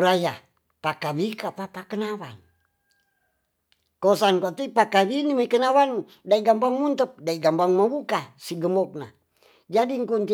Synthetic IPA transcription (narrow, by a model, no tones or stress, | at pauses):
ɾaja | pakawikapapakənawan | kosankat̪ipakawinimaikənawan | daiɡambaŋmunt̪əp̚daiɡambaŋmabukasiɡəmɔk̚na̰ | d͡ʒadiŋkunt̪i